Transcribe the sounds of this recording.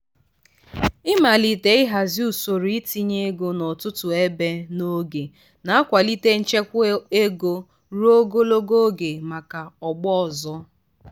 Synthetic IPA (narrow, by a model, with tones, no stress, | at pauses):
ɪ˦ma˨li˨te˨ɪ˦ɦa˨zi˦u˨so˨ɾi˦ti˦ɲe˦ɡo˦nɔ˨tʊ˦tʊ˨e˦be˦no˦ɡe˨ | na˨a˦kʷa˨li˦te˦n̩˦t͡ʃe˦kʷe˦ɡo˦ | ɾu˦o˦ɡo˦lo˦ɡo˦ɡe˨ma˨ka˨ɔ˨ɡ͡bɔ˦˨zɔ˦